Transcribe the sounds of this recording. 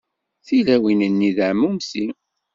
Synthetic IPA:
θilæwinənːiðʕmːumsi

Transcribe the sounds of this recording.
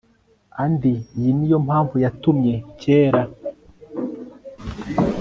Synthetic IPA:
andijinijo̞mhaːɱvujatumɲe̞ceːɾa

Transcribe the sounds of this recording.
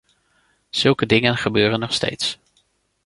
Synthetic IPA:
z̥ɵlˠkədɪŋənχəbøːrənːɔχstḛjts

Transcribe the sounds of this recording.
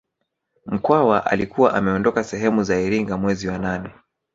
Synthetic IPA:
m̩kwawaʔa̰likuwa̰ʔamɛɔndɔkasɛɦɛmuzaiɾiŋɡamwɛziwananɛ

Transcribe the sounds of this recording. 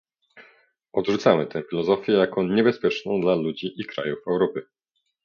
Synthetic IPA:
ɔd̪ʐut̪samɘt̪ɛ̃fʲilɔzɔfʲjɛjakɔɲɛbɛspʲjɛt͡ʂnɔ̃w̃d̪lalud͡ʑiʔikɾa̰jufɛwɾɔpɘ

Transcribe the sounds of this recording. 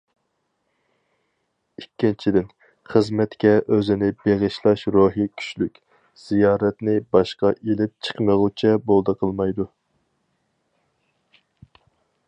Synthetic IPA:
ikʲːint͡ʃʰid̪ɪn | χəzmɛt̪kʲɛʔøzɪnɪbeʁɨʃlˠɑʃɾoɦikʲʰy̥ʃlykʲ | z̥ijɑːɾɛt̪nɪbɑʃqɑʔelɪp̚t͡ʃʰə̥qməʁut͡ʃʰɛbolˠd̪əqʰəlˠmɑjd̪u

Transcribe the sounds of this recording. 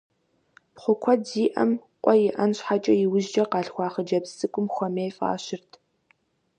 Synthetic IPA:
pχʷʊkʷʰɔziːʔɐmqʷʼɔjɪʔɐnɕħat͡ʃʼɐjɪwʊʒd͡ʒɐqɑːɬxʷɑːχəd͡ʒɐbsɨkʷʼʊmxʷɔmeːjfʼa̰ːɕɪrtʰ

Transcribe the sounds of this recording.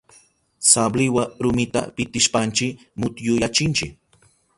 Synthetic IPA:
sablɪwaɾʊmɪt̪a̰pɪt̪ɪʃpant͡ʃɪ | mʊt̪jʊjat͡ʃɪnt͡ʃɪk

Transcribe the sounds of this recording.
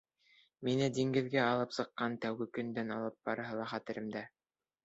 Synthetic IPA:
minɘd̪iŋɡɘ̆ðɡæɑlˠɤpsɤ̆qːɑnt̪æwɡɘkɵ̆nd̪ænɑlˠɤp̚b̥ɑɾɤ̆ɦɤlˠɑχɑt̪ɘ̆ɾɘ̆md̪æ

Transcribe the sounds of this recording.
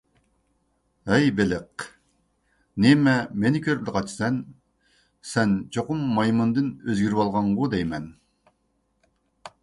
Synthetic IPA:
ɛjbelɪq̚ | nemɛmenɪkʲʰøɾblɪqɑt͡ʃʰsɛn | sɛnt͡ʃʰoqʊmːɑjmɨnd̪ɨnøzɡʲiɾwɑlˠʁɑɴʁʊd̪ɛjmɛn

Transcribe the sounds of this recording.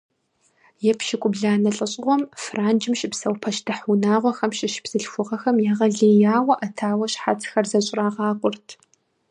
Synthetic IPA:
jɛpʰʃɪkʷʼʊbɮaːnɐɬʼɐɕʼɪʁʷɔmfraːnd͡ʒɪmʃʼɪpsɐwpʰɐʃtʰɨħʊnaːʁʷɔxɐmʃɪʃb̥z̥ɨɬxʷʊʁɐxɐmjaʁɐɮijaːwɐʔɐtʰaːwɐɕħa̰t͡sʰxɐrzɐɕʼraːʁɑːqʷʼʊrtʰ

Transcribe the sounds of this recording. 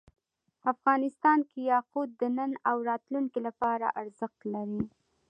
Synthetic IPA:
afɣɑnɪst̪ɑnkejɑqud̪̚ːənənawɾɑt̪luŋkilapɑɾa̰ʔaɾzəxt̪laɾi

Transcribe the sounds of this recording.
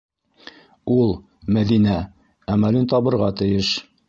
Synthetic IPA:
ulˠ | mæðinæ | æmælint̪ɒbɤ̆ɾʁɑt̪ɘ̆jɘʃ

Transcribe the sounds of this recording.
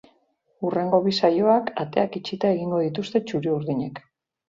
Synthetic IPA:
ure̞ŋɡo̞βisajo̞akat̪e̞akit͡ʃit̪ae̞ɣiŋɡo̞ð̞it̪ust̪e̞t͡ʃuɾiuɾðiɲe̞k

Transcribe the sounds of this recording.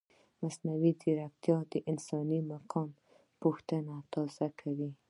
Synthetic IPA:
masnawid̪iɾakt̪jɑd̪əʔɪnsɑnimaqʰɑm | puxt̪ənat̪ɑzakʰawi

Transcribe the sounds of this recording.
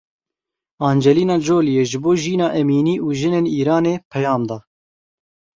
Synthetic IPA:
ɑːnd͡ʒɛliːnɑːd͡ʒoːlijeːʒɨboːʒiːnɑːʔɛmiːniːʔuːʒɪneːniːɾɑːneːpʰɛjɑːmd̪ɑː

